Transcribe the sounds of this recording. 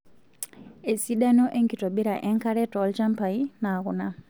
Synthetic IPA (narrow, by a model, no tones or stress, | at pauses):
esiɗanoʔeŋɡitobiɾaʔeŋkaɾetolcampainaɣuna